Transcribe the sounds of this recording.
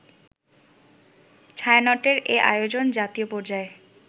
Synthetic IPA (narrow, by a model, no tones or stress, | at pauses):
t͡ɕʰaenɔʈeɾeʔa̰jod͡ʑond͡ʑat̪iopɔɾd͡ʑae